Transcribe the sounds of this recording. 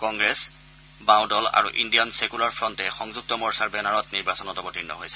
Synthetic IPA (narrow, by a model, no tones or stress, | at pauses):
kɔŋɡɹɛs | bãwdɔla̰ɹṵʔindijɔnsekulaɹpʰɹɔntɛxɔŋzuk̚tɔmɔɹsaɹbɛnaɹɔtniɹbasɔnɔtɔbɔtinːɔ̰ɦojsɛ̥